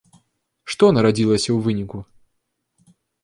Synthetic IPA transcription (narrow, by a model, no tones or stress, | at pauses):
ʂt̪ɔnɐɾad͡zʲilˠəsʲɐwvɨnʲiku